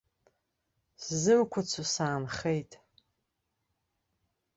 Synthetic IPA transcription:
szɨrkʷʰat͡sʷʰusaːnχejtʼ

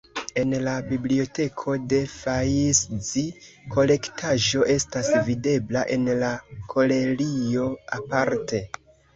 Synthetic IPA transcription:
e̞nlabiblio̞te̞kʰo̞de̞fajiszi | kʰo̞le̞ktʰaʒo̞ʔe̞stasvide̞blaʔe̞nlakʰo̞le̞lio̞apaɾte̞

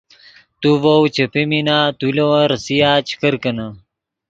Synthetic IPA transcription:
t̪uvowt͡ɕɐpeminaːt̪ulɐwɐɾɐsijaːt͡ɕi̥kɐɾkɐnɐ

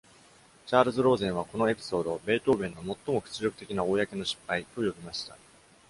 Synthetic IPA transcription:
t͡ɕaːɾɯ̟zɨɾo̞ːzẽɰ̃β̞ako̞no̞e̞pʲi̥so̞ːd̪o̞be̞ːt̪o̞ːbẽ̞nːo̞mo̞t̪ːo̞mo̞kɯ̥t͡sɨɾo̞kɯ̟̥t̪e̞kʲinao̞ːjake̞no̞ɕi̥pːait̪o̞jo̞bʲimaɕi̥t̪a

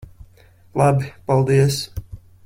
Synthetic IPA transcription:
lˠabipalˠd̪iəs

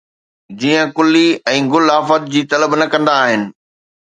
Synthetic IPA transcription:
d͡ʑiːə̃kʊlːiɛ̃ːɡʊlaːfət̪̚d͡ʑiːt̪ɐləbnɐkɐ̃nd̪aːɦɪnɪ̆

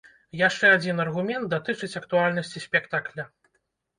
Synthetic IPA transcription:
jaʂt͡ʂɛad͡zʲinɐrɣumʲɛnt̪̚d̪at̪ɨt͡ʂɨt͡sʲɐkt̪ualʲnɐsʲt͡sʲisʲpʲɛkt̪aklʲɐ

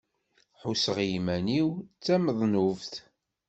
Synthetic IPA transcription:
ħusəʁjmæniwt͡sːæməðˤnuvθ

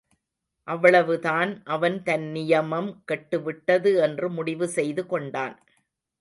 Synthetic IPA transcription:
ʔɐʋːɐɭɐʋɯðaːnʔɐʋɐnt̪ɐnnɪjɐmɐmkɛʈːɯʋɪʈːɐðɯɛndrɯmʊɽɪʋɯsɛjðɯkɔɳɖaːn

